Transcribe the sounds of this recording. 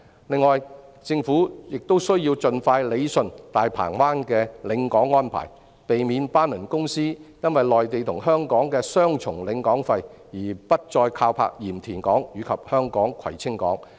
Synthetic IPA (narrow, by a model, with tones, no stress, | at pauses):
lɪ˨ŋːɔː˨j | t͡sɪ˧ŋfuː˨˥jɪ˨k̚t̪o˥wsɵ˥ɥjiː˧wt͡sɵ˧nfaː˧jle˨˧jsɵ˨nt̪aː˨jpʰa̰ː˨˩ŋwaː˥nkɛː˧lɪ˨˧˥ŋkɔː˨˥ŋːɔː˥npʰa̰ː˨˩j | pe˨jmiː˨˧npaː˥nlɵ˨˩nkʊ˥ŋsiː˥jɐ˥nwɐ˨jlɔː˨jt̪e˨jt̪ʰʊ˨˩ŋɦœː˥ŋkɔː˨˥ŋkɛː˧sœː˥ŋt͡sʰʊ˨˩ŋlɪ˨˧ŋkɔː˨˥ŋfɐ˧j | jiː˨˩pɐ˥t̚t͡sɔː˧jkʰaː˧wpʰa̰ː˧k̚jiː˨˩mt̪ʰiː˨˩nkɔː˨˥ŋjyː˨˧kʰɐ˨p̚hœː˥ŋkɔː˨˥ŋkʰwɐ̰˨˩jt͡sʰɪ˥ŋkɔ̰ː˨˥ŋ